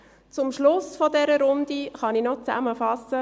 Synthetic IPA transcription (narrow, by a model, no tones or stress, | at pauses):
t͡sʊmʃlʊsfɔdɛɾəɾʊnd̪iχɑninɔt͡sæ̰məfɑsə